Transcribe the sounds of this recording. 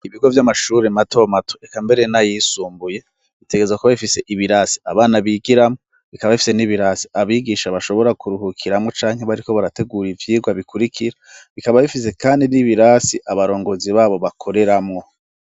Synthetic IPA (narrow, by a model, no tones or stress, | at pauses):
iβiɡo̞vjamaʃuːɾemato̞matoekambe̞ɾe̞najisuːmbuje̞ | βite̞ɡezwakoβaβifise̞ʔiβiɾasi̥aβaːnaβiɡiɾamŋo̞ | βikaβaβifi̥se̞niβiɾasi̥aβiɡiʃaβaʃo̞βo̞ɾakuɾuɦukʰiɾamŋo̞t͡ʃaːŋɦe̞βaɾiko̞βaɾate̞ɡuɾivjiːɡwaβikʰuɾikʰiɾaβikaβaβifise̞kaːndiniβiɾaːsiʔaβaɾo̞ːŋɡo̞ːziβaːβo̞βakʰo̞ɾe̞ɾamŋo̞